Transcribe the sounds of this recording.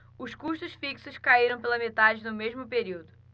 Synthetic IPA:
ʊʃkuʃt̪ʊʃfiksʊʃkaiɾɐ̃w̃pelɐmet̪ad͡ʒɪd̪ʊmeʒmʊpeɾiwd̪ʊ

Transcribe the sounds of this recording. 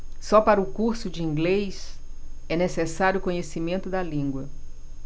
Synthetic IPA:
sɔpaɾɐʊkuɾsʊd͡ʒɪĩɡlejs | ɛnesesaɾjʊkõɲesimẽnt̪ʊd̪ɐlĩɡwɐ

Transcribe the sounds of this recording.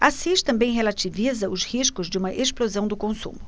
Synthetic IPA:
asiʃt͡ʃɪ̥t̪ɐ̃mbẽj̃ɦelat͡ʃivizɐʊshiʃkʊzd͡ʒɪũmɐʔesplozɐ̃w̃d̪ʊkõsṵ̃mʊ

